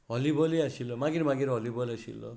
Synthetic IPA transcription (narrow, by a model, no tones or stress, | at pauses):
ɦʌlibɔliasilɔmaɡiɾimaɡiɾɦʌlibɔlasḭlːɔ̰